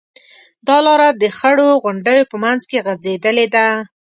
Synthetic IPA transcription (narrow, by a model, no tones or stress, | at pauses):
d̪ɑlɑɾad̪əxəɽoɣʊɳɖəjopəmanzkeɣazed̪əled̪a